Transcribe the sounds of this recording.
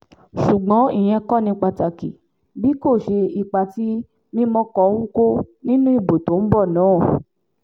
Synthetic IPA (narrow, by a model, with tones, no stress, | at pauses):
ʃu˨ɡ͡bɔ̃˨˦i˦˨j̃ɛ̃˧kɔ̃˦˨nĩ˧k͡pa˧ta˨ki˨ | bi˦ko˦˨ʃe˧i˨˧k͡pa˧ti˦ | mĩ˦mɔ̃˧kɔ˧˦wũ˦ko˦nĩ˦nũ˦i˦˨bo˨to˨˦n̩˦bɔ˦˨nãː˨˦˨